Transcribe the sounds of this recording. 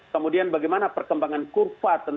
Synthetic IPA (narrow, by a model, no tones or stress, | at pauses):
kəmudianbaɡɛjmanapərkəmbaŋankurfat̪ən